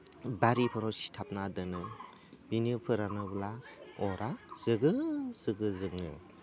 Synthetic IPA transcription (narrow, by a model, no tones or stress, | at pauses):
baɾipʰɔɾɔsi̥tʰap̚nadɯnɯ | binɯpʰɯɾanɯbulaɔɾʔak̚z̥ɯɡɯz̥ɯɡɯzɯŋnɯ̰